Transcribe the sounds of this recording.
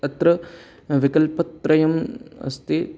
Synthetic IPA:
ɐt̪ɾɐ | ʋikɐlpɐt̪ɾɐjɐmɐ̰st̪e

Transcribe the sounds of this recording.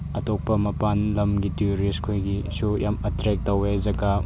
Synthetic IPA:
ɐtok̚pɐmɐpanlɐmɡitiɾiskʰojɡisujamɐtɾek̚tɐwezɐɡɐ

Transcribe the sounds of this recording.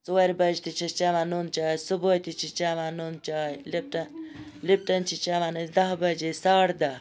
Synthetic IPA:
t͡soːɾʲbɐd͡ʒt̪it͡ʃʰit͡ʃaːʋãːnunt͡ʃaːjsubojt̪it͡ʃʰit͡ʃaːʋãːnunt͡ʃaːjlip̚ʈənlip̚ʈənt͡ʃʰit͡ʃaːʋãːnɨd̪ɐɦbəd͡ʒesaːɽd̪ɐ

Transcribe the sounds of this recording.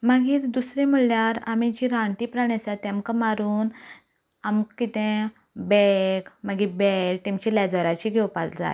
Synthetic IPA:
maɡiːɾd̪usɾẽmuɭjaɾamĩt͡ɕiɾãɳʈ̪ipɾaɳet͡sat̪ãmkəmaɾuːn | amkit̪ẽ | bɛkmaɡibɛɭt̪emt͡ɕilɛd͡zəɾat͡ɕiɡʱɛwpa̰ld͡za̰j

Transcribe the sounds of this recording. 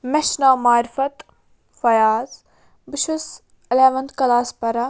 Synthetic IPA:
mɛʃnaːmaːɾfɐt̪ | fɐjaːz | bɪʃus | ɪleːʋɐnd̪kɐlaːspɐɾɐ

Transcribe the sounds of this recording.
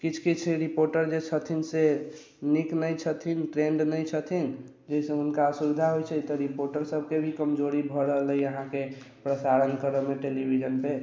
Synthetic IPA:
kit͡ʃʰkit͡ʃʰɾipoɾʈəɾd͡ʒet͡ʃʰət̪ʰinse | niknəjt͡ʃʰət̪ʰinʈɾẽɳɖnəjt͡ʃʰət̪ʰin | d͡ʒəisə̃ɦunkasubid̪ʱaɦojt͡ʃʰɛt̪ɔɾipoɾʈəɾsəb̚ʱkebʱikəmd͡ʒoɾibʱɔɾəɦələjəɦãke | pɾəsaɾənkəɾəmeʈelibʱid͡ʒənpe

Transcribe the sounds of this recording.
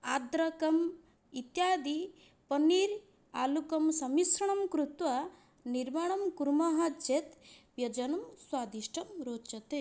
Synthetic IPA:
aːd̪ɾɐkɐm | it̪jaːd̪i | pɐniːɾ | aːlukɐmsɐmisɐɳɐmkɾut̪ʋɐ | niɾmaːɳɐmkuɾmɐɦɐd͡ʒet̪ʋjɐd͡ʒɐnɐmswaːd̪iʃʈʰɐmɾoːt͡ʃɐt̪e

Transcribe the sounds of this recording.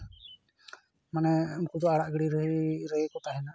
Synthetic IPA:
manɛmkud͡ʒ̪ɔaɽaʔɡəɽiɾəɦiɾəkɔt̪aɦɛna

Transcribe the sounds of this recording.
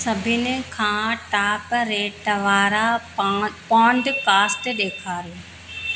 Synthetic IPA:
sɐbʱɪnɪkʰãːʈaːpɾeːʈʋaːɾa | pɔːɳɖkaːsʈɗeːkʰaːɾjoː

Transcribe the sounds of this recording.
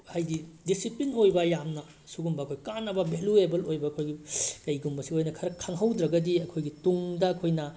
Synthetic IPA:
hajdidisiplinojbɐjamnɐ | suɡumbɐkʰojkanːɐbɐbʱeluebɐlojbɐːkʰojɡikɐjɡumbɐsiojnɐkʰɐɾɐkʰːaŋɦɐwdɾɐɡɐdiɐkʰojɡituŋdɐːkʰojnɐ

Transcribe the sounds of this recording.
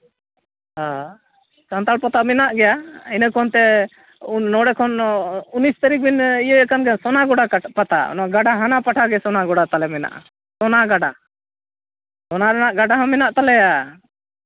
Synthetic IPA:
a | sant̪alpat̪aʔmɛnaʔɡɛjainəkʰɔnt̪ɛː | ɔɽɛkʰɔnunist̪aɾik̚binijəkanɡɛsɔnaɡɔɽapat̪a̰ʔɔ̰naɡaɖaɦanapaʈʰaɡɛsɔnaɡɔɽat̪alɛmɛna̰ʔa̰ | sɔnaɡaɖa | sɔnaɾɛnaʔɡaɖaɦɔ̃mɛnaʔt̪alɛja

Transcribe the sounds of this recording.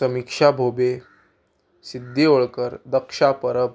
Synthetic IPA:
əmikʂabʱobe | sid̪ʱːioɭkəɾd̪əkʂapəɾəp

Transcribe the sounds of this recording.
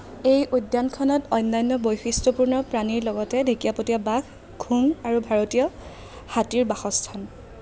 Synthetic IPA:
ejʔujdːankʰɔnɔtɔjnːajnːɔbojxistɔpuɹnɔpɹaniɹlɔɡɔtɛdʱekiapotiabakʰ | ɡʰʱuŋaɹubʱaɹotijɔ | hatiɹbaxɔstʰan

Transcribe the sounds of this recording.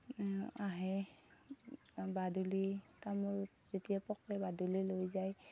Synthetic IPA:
aɦɛ | badulitamuɹ | zetijapɔklɛbadulilojzaj

